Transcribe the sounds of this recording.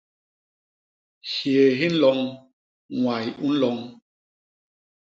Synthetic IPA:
ʃje˨ɦi˦n̩˦lɔ˨˦ŋ | ŋwa˨ju˦n̩˦lɔ˨˦ŋ

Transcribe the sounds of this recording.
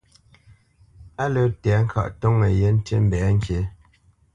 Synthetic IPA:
a˦lə˦tɛ˨˦ŋ̩˦kʰa̰˦˨ʔtɔ˦ŋə˨je˦n̩˦te˦m̩˦bɛː˨˦ŋ̩˦ke˨˦

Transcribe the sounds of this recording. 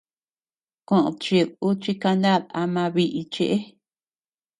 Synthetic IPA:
kõ˨ʔõ̰˧t͡ʃi˧ðu˦t͡ʃi˧ka˧nd̪a˦˨ða˧mã˧βi˧ʔi˧t͡ʃe˧ʔe˦

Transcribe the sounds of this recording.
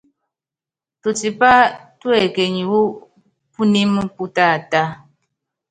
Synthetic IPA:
tu˨ti˨pa˦twɛ˨ke˨ɲi˨wu˦ | pu˦ni˦m˦pu˦ta˦˨ta˦

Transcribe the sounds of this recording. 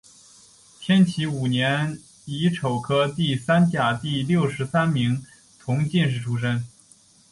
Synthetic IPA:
t̪ʰjɛ˥nt͡ɕʰi˧˥u˨˩njɛ˧˥n | i˧˥ʈ͡ʂʰo˨˩ʊkʰɤ˥t̪i˥˩sa˥nt͡ɕja˨˩t̪i˥˧ljo˥˩ʊʂɻ̩˧˥sa˥nmi˧˥ŋ | t̪ʰʊ˧˥ŋt͡ɕi˥˧nʂɻ̩˥˩ʈ͡ʂʰu˥ʂ̬ə˥n

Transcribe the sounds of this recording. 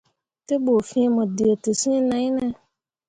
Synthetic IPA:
tɪ˦bo˨fĩ˦e˦mʊ̃˨dɪ˨e˨tʊ˨sĩ˦nã˨˦nɛ̃˦

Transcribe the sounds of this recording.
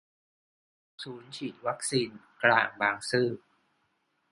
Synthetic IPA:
suː˩˦nt͡ɕʰiː˨˩t̪̚wa˦˥k̚siː˧n | kla̰ː˨˩ŋbaː˧ŋsɯː˥˩

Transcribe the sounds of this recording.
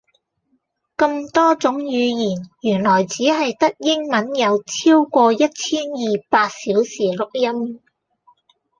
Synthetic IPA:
kɐ˧mt̪ɔː˥t͡sʊ˨˥ŋjyː˨˧jiː˨˩njyː˨˩nlɔː˨˩jt͡siː˨˥ɦɐ˨jt̪ɐ˥k̚jɪ˥ŋmɐ˨˥njɐ˨˧wt͡sʰiː˥wkʷɔː˧jɐ˥t̚t͡sʰiː˥njiː˨paː˧t̚siː˨˥wsiː˨˩lʊ˨k̚jɐ˥m

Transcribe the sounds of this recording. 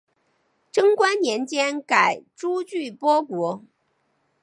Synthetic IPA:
ʈ͡ʂɤ˥ŋkwa˥nnjɛ˧˥nt͡ɕjɛ˥nka˨˩ɪʈ͡ʂu˥t͡ɕy˥˩pwɔ˥kwɔ˧˥

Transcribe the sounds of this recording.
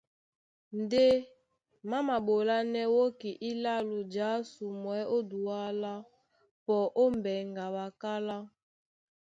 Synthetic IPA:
n˨de˦ | ma˦ma˨ɓo˨la˦nɛ˦wo˦ki˨ʔi˦la˦lu˨d͡ʒa˨˦su˨mwɛ˦o˦du˨a˦la˦ | pɔ˨ʔo˦m˨bɛ˨ŋɡa˨ba˨ka˦la˦

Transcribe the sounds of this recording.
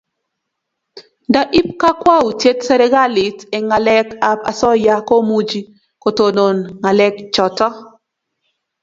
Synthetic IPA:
da˦ʔi˦p̚ka˦kwa˦u˨tje˦tsɛ˦ɾɛ˦ɡa˦lɪ˨te˨ŋa˨lɛ˦ka˦pa̰˨sɔ˦ja˦ko˦mu˦d͡ʒi˦ | ko˨to˨no˨nŋa˨lɛ˦kt͡ʃɔ˨tɔ˦

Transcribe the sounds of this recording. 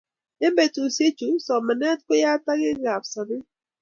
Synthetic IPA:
e˦be˨tu˨se˦t͡ʃu˨sɔ˨ma˨nɛ˦t̚kʊ˦ja˦ta˦ɣɪ˦ɡa˨psɔ˨nɪ˦

